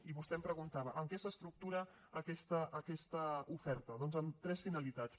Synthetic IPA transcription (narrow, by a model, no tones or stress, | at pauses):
iβust̪ɛmpɾəɣ̞unt̪aβəʔəmkɛsəst̪ɾuk̚t̪uɾəː | kɛst̪əʔːkɛst̪əufɛɾt̪əðɔnzəmt̪ɾɛsfinəlit̪at͡s